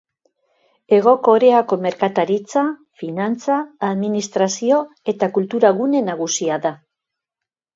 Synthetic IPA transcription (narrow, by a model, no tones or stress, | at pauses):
e̞ɣ̞o̞ko̞ɾeako̞me̞ɾkat̪aɾit͡sa | finant͡saːðminist̪ɾasio̞ | e̞t̪akult̪uɾaɣune̞naɣ̞usiaða